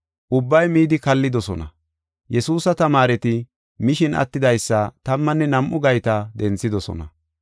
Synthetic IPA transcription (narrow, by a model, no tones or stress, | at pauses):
ʔʊbːɐjmiːd̪ɪkɐlːɪd̪ɔsɔnɐ | jɛsuːsɐt̪ɐmaːɾɛt̪ɪ | mɪʃɪnʔɐ̰t̪ːɪd̪ɐjsːɐt̪ɐmːɐnːɛnɐmʔʊɡɐjt̪ɐd̪ɛnt͡sːɪd̪ɔsɔ̰nɐ